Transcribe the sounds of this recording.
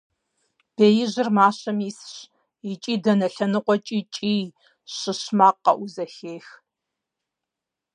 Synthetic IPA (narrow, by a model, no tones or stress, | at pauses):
b̥eːjɪʑɪrmaːɕɐmiːsɕ | it͡ʃʼiːdɐnɐɬɐnɨqʷɔt͡ʃʼiːt͡ʃʼiː | ɕɨɕmaːqːɐ̰ʔʊzɐxeːx